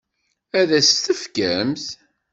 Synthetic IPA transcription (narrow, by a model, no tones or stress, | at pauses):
æðæst̪əfkæmθ